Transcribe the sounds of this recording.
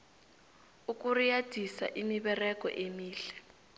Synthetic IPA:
uk̬ʼurijad̥ʱisa̰ʔimiɓɛrɛk̬ʼɔ̰ʔemiːɬɛ̥

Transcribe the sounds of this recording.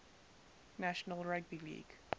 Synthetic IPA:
næʃənəlˠɹæɡ̚bilḭːɡ̥

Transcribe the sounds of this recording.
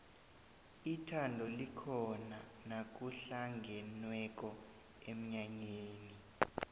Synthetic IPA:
itʰandʱɔlikʰɔna | nak̬uɬaŋɡʱɛnwɛk̬ʼɔ | em̩ɲaɲeːni

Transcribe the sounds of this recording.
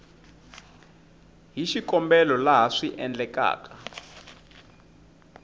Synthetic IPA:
ɦiʃikɔmbɛlɔlaɦaʂiʔɛnd͡ɮɛka̰ːka

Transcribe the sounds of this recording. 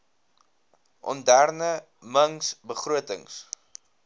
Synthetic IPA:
ʔɔ̰ndærnə | məŋsbəχruətəŋs

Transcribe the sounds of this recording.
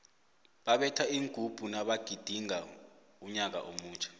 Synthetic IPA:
ɓaɓɛtʰaiŋɡʱub̥ʱunaɓaɡ̥ʱid̥ʱiŋa | uɲak̬a̰ʔomuːnt͡ʃʰʼḁ

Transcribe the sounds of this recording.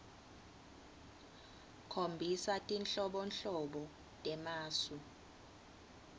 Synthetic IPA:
kʰombʱisatʼinɬɔɓɔnɬɔɓɔ | tʼɛmaːsu

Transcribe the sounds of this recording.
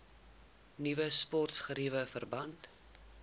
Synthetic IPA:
nivəspɔrtsχəɾivəfərbɐnt

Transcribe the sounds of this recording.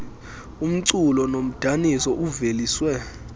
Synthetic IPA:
um̩ǀulɔnom̩d̥ʱanisɔʔuveliːswɛ

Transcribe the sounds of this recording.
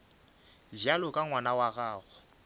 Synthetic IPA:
vjalɔkʼaŋwanawaɣaːɣʊ

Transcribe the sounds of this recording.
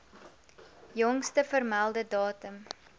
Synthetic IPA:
jɔŋstəfərmælˠdədɑːtəm

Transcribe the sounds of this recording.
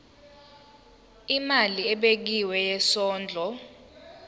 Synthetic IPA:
imaliɛɓek̬iwɛjɛsɔːnd͡ɮʱɔ

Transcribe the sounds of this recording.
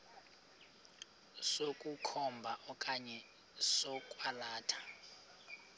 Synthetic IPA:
sokʼukʰɔmbʱaʔɔkʼaɲɛ | sɔkʼwalaːtʰḁ

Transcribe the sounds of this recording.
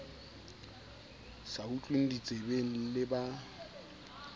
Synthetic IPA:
saut͡ɬʼwen̩dit͡sʼebel̩lɪba

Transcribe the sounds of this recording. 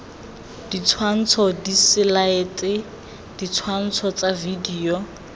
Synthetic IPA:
d̥it͡sʰwan̩t͡sʰɔdisɪlaɪtʼɪ | d̥it͡sʰwan̩t͡sʰɔt͡savidiːɔ

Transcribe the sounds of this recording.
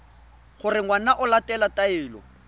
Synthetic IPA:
χʊrɪŋwanaʔʊlatʼɛlatʼaɪːlɔ̰

